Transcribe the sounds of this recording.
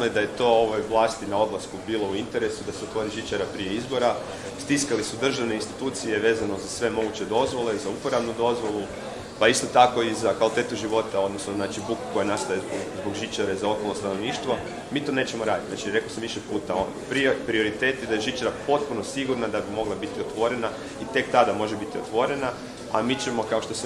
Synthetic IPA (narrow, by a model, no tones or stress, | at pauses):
nojed̪aje̞t̪o̞ːo̞ʋojʋlˠaːst̪inao̞d̪lˠaskubiːlo̞uint̪e̞ɾe̞sud̪aseot̪ʋoɾiʒit͡ʃaɾapɾije̞izbo̞ɾa | st̪iskalisud̪r̩ʒaʋneinst̪it̪uːt̪sije̞ʋe̞ːzano̞zasʋe̞mo̞ɡut͡ɕe̞d̪o̞zʋo̞le̞zaupoɾaʋnud̪o̞zʋo̞lˠu | paist̪o̞t̪ako̞izakʋalit̪e̞t̪uʒiʋo̞t̪ao̞d̪nosnoznaːt͡ʃibuku̥kojenast̪ajebozbo̞ɡʒit͡ʃaɾezao̞kolno̞st̪ano̞ʋniːʃt̪ʋo̞ | miːt̪o̞ːne̞ːt͡ɕe̞moɾaːd̪it̪znaːt͡ʃiɾe̞kosamʋiʃepuːt̪aonpɾipɾio̞ɾit̪eːt̪jed̪ajeʒit͡ʃaɾapo̞t̪̚puno̞siɡuɾnad̪abimo̞ɡlˠabit̪iot̪ʋo̞ɾe̞na | it̪e̞k̚t̪ad̪amo̞ʒe̞bit̪io̞t̪ʋo̞ɾe̞na | amiːt͡ɕemo̞kao̞ʃt̪ose